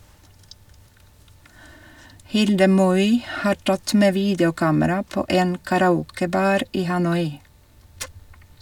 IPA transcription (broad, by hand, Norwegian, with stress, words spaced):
ˈhɪldə ˈmɔʏ ˈhɑː ˈʈɑt ˈmeː ˈʋiːdjʊˌkɑːməɾɑ ˈpoː ˈeːn kɑɾɑˈuːkəˌbɑːɾ ˈiː hɑˈnɔʏ